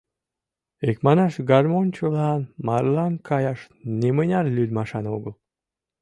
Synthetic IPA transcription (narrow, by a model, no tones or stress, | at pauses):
ekmɑnɑʃɡɑrmonʲt͡ɕəlɑnmɑrlɑnkʰɑjɑʃ | nemənʲɑrlʲylʲmɑʃɑnoɡəl